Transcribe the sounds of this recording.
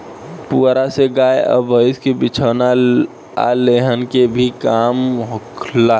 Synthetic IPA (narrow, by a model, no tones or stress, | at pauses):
puɾaseɡaːeə̰bʱəɪskebɪt͡ʃʰəːna | a̰leɦənkebʱikaːmɦʊkʰla